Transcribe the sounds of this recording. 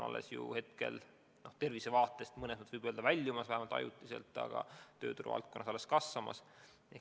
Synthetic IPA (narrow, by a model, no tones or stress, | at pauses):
nʔɑ̰lːḛsjṵhe̞t̪̚ke̞̰l | no̞ht̪e̞rvise̞vɑːt̪ːˑe̞st̪mɤnesmut̪vɤjb̥øːld̪ɑvælʲːjumɑsvæhɦemɑlt̪ɑjṵt̪ːˑise̞lt̪ˑːɑ̰ɡ̥ɑ̰t̪ø̞ːt̪uɾṵvɑ̰lt̪̚kːˑo̞nːɑsɑlːeskɑsːɑmɑ̰s | eh